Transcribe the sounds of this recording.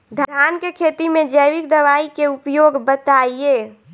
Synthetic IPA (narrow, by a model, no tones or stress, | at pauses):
d̪ʱd̪ʱjankekʰet̪imẽd͡ʒəjʋik̚d̪əʋaikeupjoɡbət̪aieː